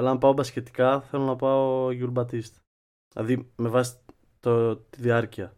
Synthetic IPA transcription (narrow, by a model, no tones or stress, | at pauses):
ɐlɐːmpɐo̞bɐsce̞t̪i̥kɐθe̞lo̞nɐpɐooʝulbɐt̪ist̪ | lɐ̰ðime̞vɐsi̥ | t̪ot̪iðiɐɾciɐ